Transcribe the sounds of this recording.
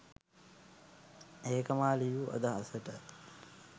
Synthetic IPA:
eːkəmaːlijuʔɐ̰d̪əɦɐsəʈə

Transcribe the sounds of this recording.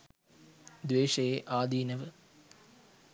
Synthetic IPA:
d̪ʋeːʂɐjeʔaːd̪iːnəʋə

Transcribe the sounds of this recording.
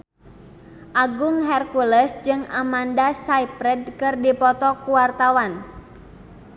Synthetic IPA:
ʔaɡʊŋɦɛrkuləsd͡ʒɨŋamandasaipɾɛd̚kɨrdipɔt̪ɔkuwart̪awan

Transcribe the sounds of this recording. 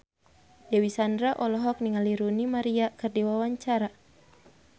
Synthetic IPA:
jawisandɾaʔɔlɔɦɔk̚niŋaliɾunimaɾiakɨrdiwawaɲt͡ʃaɾa

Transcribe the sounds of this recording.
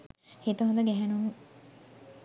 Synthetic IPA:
hit̪uɦond̪əɡæɦænunu

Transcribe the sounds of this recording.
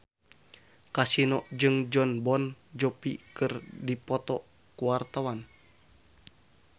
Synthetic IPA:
kasinɔʔd͡ʒɨŋd͡ʒɔnbɔnd͡ʒɔpikɨrdipɔt̪ɔ | kuwart̪awan

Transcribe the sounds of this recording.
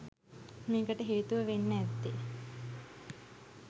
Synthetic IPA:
meːkəʈəɦeːt̪uʋəʋenːəæt̪ːe

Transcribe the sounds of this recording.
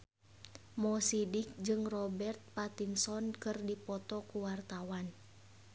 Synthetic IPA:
mɔsidik̚d͡ʒɨŋrɔbɛrt̪̚pat̪insɔnkɨrdipɔt̪ɔkuwart̪awan

